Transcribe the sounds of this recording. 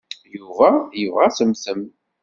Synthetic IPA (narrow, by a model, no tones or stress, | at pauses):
juvæjəvʁæsəmθəm